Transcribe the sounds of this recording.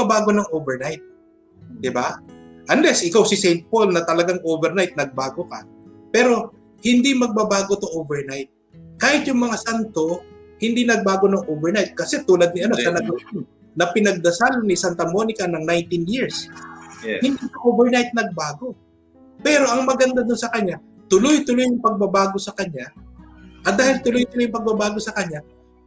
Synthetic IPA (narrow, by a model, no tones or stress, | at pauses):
ɐbaːɡo̞nɐŋʔoːvɛɹnajt̪̚ | d̪ɪbaʔɐnlɛsʔɪkawsɪsɛjnt̪̚polnɐt̪ɐlɐɡaŋʔoːvɛɾnajt̪̚nɐɡ̚baːɡokɐ̰ | pɛːɾo̞ | hɪnd̪imɐɡ̚bɐbaːɡot̪oʔovɛɹnajt̪̚ | kaːhɪt̪jʊŋmɐŋasant̪o̞hɪnd̪inɐɡ̚baːɡo̞nɐŋʔovɛɹnajt̪̚kɐsɛt̪uːlɐd̪̚nɪɐnosɐnɐɡ̚ɐjan | nɐpɪnɐɡ̚d̪ɐsalɐnisant̪ɐmo̞nɪkɐnɐŋnajnt̪ɪnjɪɹs | hɪnd̪it̪ɐʔovɛɹnajt̪̚nɐɡ̚baːɡo̞ | pɛːɾo̞ʔɐŋmɐɡɐnd̪ad̪ʊnsɐkɐɲa | t̪ʊlʊjt̪ʊlojʊŋpɐɡ̚bɐbaːɡo̞sɐkɐɲa | ʔɐd̪aːhɪlt̪ʊlojt̪ʊlʊjʊŋpɐɡ̚bɐbaːɡo̞sɐkɐɲa